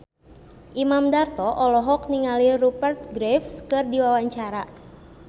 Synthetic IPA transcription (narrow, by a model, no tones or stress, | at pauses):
ʔimamdart̪ɔʔɔlɔɦɔkniŋalirupərt̪̚ɡɾɛfskɨrdiwawaɲt͡ʃaɾa